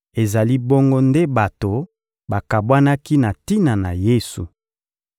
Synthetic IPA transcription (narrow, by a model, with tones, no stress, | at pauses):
e˨za˨li˦bo˦ŋɡo˦nde˦ba˨to˨ | ba˨ka˨bwa˦na˦ki˦na˨ti˦na˨na˨je˦su˨